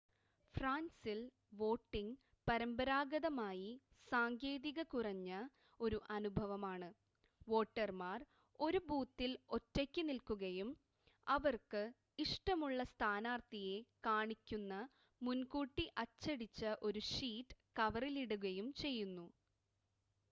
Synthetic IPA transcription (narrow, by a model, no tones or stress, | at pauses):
fraːnsil | ʋo̞ːʈːiŋɡ | pɐɾɐmbɐɾaːɡɐðɐmaːji | saːŋkjeːðiɣɐkurɐɲːɐ | o̞ɾuʔɐnubʱɐʋɐmaːɳɨ | ʋo̞ːʈːɐrmaːr | o̞ɾubuːt̪ːilo̞tːɐkʲːɨnilkuɣɐjum | ɐʋɐrkɨ | iʂʈɐmuɭːɐst̪ʰaːnaːrt̪ije̞kaːɳikʲːunːɐ | munkuːʈːiʔɐt͡ɕːɐɽit͡ɕːɐʔo̞ɾuʂiːʈːɨ̥kɐʋɐriliɽuɣɐjumt͡ɕe̞jːunːu